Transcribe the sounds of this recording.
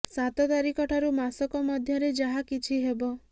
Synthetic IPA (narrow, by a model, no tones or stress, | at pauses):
sat̪ɔt̪aɾikɔʈʰaɾumasɔkɔmɔd̪ʱjɔɾed͡ʒaɦakit͡ʃʰiɦebɔ